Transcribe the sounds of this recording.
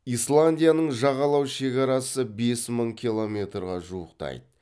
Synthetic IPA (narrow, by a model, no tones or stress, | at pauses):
islˠanʲdʲijanəɴʒɑʁɑlˠɑwʃe̞kʲɑɾɑsəbe̞sməɴkʲʰilˠo̞mʲe̞t̪rʁɑʒuwəqt̪ɑ̰jd̪ə